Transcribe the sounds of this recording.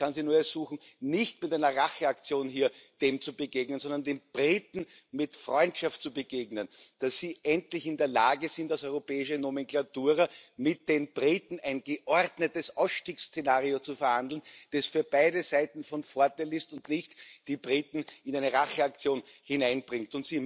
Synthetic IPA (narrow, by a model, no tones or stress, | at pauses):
kʰanziːnuːɐɛɐz̥uːxn̩ | nɪçtmɪtæɪnɐʁaxəakt͡sjoːnɦiːɐd̥eːmt͡subəɡeːɡnənzɔ̃ndɐndeːmb̥ʁiːtn̩ | mɪtfʁɔʏntʃaft̚t͡subəɡeːɡnənd̥asːiːʔɛntlɪçɪndeːɐla̰ːɡəzɪntasɔʏʁopɛːɪʃənomɛ̃ŋklatuːʁɐmɪt̚d̥eːnb̥ʁiːtn̩æɪnɡəʔɔʁdnətəsʔaʊsʃtiːkst͡senaːʁiot͡sufɛɐhandl̩n̩d̥asfyːɐb̥aɪdəzaɪtn̩fɔnfoɐtaɪlɪstʊntnɪçtd̥iːbʁiːtn̩ɪnæɪnəʁaxəakt͡sjoːnhɪnaɪnb̥ʁɪŋktʊntsiː